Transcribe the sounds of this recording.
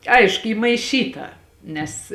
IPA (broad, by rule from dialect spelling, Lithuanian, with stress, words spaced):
ˈɐɪʃkʊ ˈiː mɐɪˈʃʲiːtɐ ˈnʲɛs